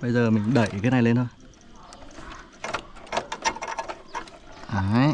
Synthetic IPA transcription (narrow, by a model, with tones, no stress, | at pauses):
ɓə˧jzəː˨˩mï˨˩ŋ̟ɗə˧˩jʔt̪ʰe˦na˧˩jle˧nt̪ʰo˧j | ʔaː˨˦